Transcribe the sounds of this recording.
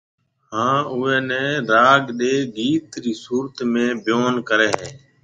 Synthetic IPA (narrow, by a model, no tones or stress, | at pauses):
hãːʊɛːnɛ̃ːɾaːɡɗeːɡiːt̪ɾiːsuːɾət̪mẽːbjoːnkəɾɛːɦeː